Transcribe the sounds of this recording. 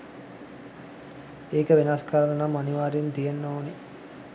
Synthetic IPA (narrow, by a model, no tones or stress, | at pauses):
eːkəʋenaskaɾənənamːaniʋaːɾint̪ijenːoːne